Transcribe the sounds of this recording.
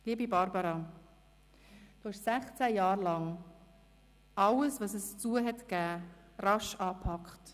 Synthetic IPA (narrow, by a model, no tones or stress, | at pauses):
liːəbibɑɾbɑɾɑ | d̥uɪʃsæχt͡sæjɑːɾlɑŋ | ɑləsvɑsɛst͡suːəɦɛtɡ̥æː | ɾɑʃɑːpʰɑkχt